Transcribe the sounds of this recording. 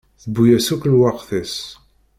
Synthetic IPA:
θəbːujæsuklwɑqθæs

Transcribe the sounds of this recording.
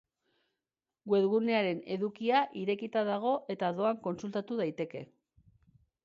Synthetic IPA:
ɡwe̞ðɣune̞aɾe̞ne̞̰ðukiaʔiɾe̞kit̪aðaɣ̞o̞ʔe̞t̪aðo̞aŋko̞nsult̪at̪uð̞ajt̪e̞ke̞

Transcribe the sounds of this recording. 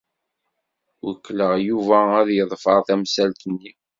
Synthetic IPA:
wəkːləʁjuvææðjəðˤfəɾˤθæmsælt̪ənːi

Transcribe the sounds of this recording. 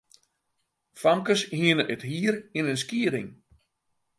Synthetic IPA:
famkəshiənəʔəthiːɾinəns̬kiəɾɪ̰ŋ

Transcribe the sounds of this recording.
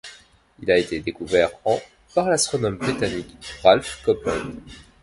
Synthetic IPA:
ilaet̪ed̪ekuvɛʁɑ̃ | paʁlast̪χɔnɔmbʁit̪anikʁalfkɔplɔ̰̃d̪

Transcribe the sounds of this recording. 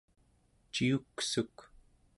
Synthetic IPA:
t͡ʃiuksuk

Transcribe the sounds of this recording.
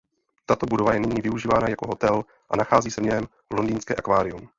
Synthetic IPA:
t̪at̪o̞budo̞vajɛnɪɲiːvɪuʒiːvaːnajako̞ɦo̞t̪ɛl | ʔa̰naxaːziːsɛvɲɛɦɛm | lo̞ndiːnskɛ̰ːʔa̰kvaːɾɪum

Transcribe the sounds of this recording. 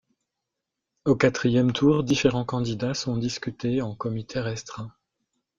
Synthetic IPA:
okat̪χijɛmt̪ʰuʁd̪ifeʁɑ̃kɑ̃d̪id̪asɔ̃d̪iskʲyt̪eɑ̃kɔmit̪ʰɛʁɛst̪χɛ̃

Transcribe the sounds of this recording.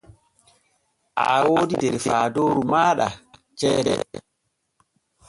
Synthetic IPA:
ʔa̰woːdidɛɾfaːdoːɾumaːɗa̰ | t͡ʃɛːɾɛ̰

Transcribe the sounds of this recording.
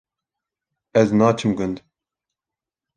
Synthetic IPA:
ɛznaːt͡ʃʰɨmɡʊnd̪

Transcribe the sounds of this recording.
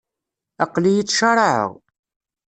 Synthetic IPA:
ɑqlijit͡sːʃəɾˤəʕə̰ʁ

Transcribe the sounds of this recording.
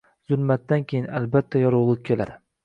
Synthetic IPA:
zʊlˠmat̪ːankʲʰejɪnalbat̪ʰːajɒɾʊwlˠɨp̚kʲʰe̞la̰d̪ɪ

